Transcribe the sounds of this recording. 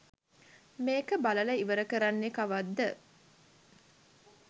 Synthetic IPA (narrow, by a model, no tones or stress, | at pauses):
meːkəbalɐləiʋəɾəkəɾanːekaʋad̪ːə